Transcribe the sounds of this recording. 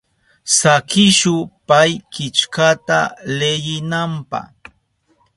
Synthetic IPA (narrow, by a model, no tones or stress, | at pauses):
sakɪʃʊpajkɪt͡ʃkat̪a̰lejɪnampɑ̰χ